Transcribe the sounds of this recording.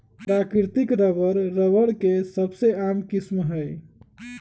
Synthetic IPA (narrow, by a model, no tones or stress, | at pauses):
pɾakiɾt̪ikɾəʋəɾːəʋəɽkesəbseamkismɦəj